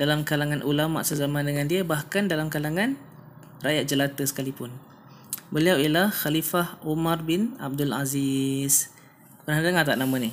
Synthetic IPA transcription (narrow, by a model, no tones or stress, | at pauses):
dalamkalaŋanʔulama̰ʔsəzamãndəŋandiəbahkandalamkalaŋan | rajat̪̚d͡ʒəlat̪əsə̥kalipʊn | bəliawilahxalifahomarbɪna̰b̚dʊlazis | pənahdaŋat̪a̰ʔnamãni